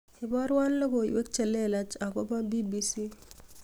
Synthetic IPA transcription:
ɪ˨bɔ˦ɾwa˦nlɔ˦ko˨ḭ˨we˦k̚t͡ʃe˨lːe˦˨la˦t͡ʃa˨ko˦ba˦bi˦bi˦si˦

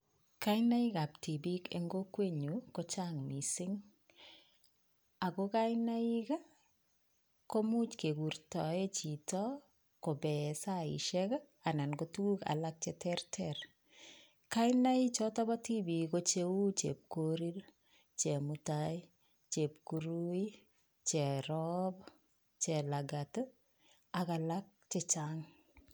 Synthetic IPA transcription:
kaɪna˦i˦ka˨p̚ti˨bi˦kḛŋɡo˦kwe˦ɲukot͡ʃaŋmi˨sɪ˦ŋ | a˨ko˦ka˦jnai˦ka˦ | ko˦mu˦t͡ʃke˨ku˨ɾtɔ˨e˦t͡ʃi˨tɔ˦ | kɔ˨bɛ˨sa˦ḭ˨ʃɛka | a˨na˨nkotu˦ku˦ka̰˨lak̚t͡ʃɛtɛrtʰɛɾ | kaɪnait͡ʃɔ˦tɔba˦ti˦bi˨kot͡ʃe˦u˦t͡ʃḛp̚koɾi˦l | t͡ʃe˨muta | t͡ʃe˨p̚kuɾu˦i | t͡ʃɛ˨ɾɔb | t͡ʃɛ˨laɡat | aka˨lak̚t͡ʃɛt͡ʃaŋ

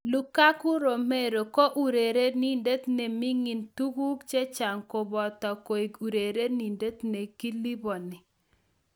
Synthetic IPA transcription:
lu˦ka˦kʊ˦ɾo˨me˦ɾo˨ko˦ʔu˨ɾe˨ɾe˦ni˦nde˦t̪ne˨mi˦ŋi˨ntu˦ku˦kt͡ʃe˦t͡ʃa˨ŋko˨bɔ˨ta˨ko˨i˨ɡu˨ɾe˨ɾe˦ni˨nde˦t̪ne˨ki˦li˦bɔ˨nɪ˨

